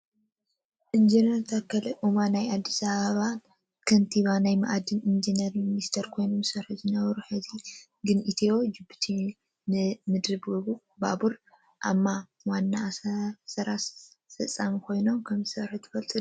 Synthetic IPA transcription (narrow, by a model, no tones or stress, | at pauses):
ʔind͡ʒinɐɾt̪ʰakʰːɐlɐʔumanajad̪ːisaβaβa | kʰɐnt̪ʰiβanajma̰ʔad̪ɨnind͡ʒinɐɾminist̪ʰɐɾkʰo̞jnomsɐɾħɨzɨnɐβɾuħɨzi | ɡɨnʔit̪ʰewo̞d͡ʒɨbut̪ʰi | nɨmɨd̪ɾɨbɨβu | ba̰βuɾ | ʔamːa | wanːasɐɾafɐt͡sʼːamikʰo̞jno̞mkʰɐmzɨsɐɾħɨt̪ʰɨfɐlt̪ʼɨ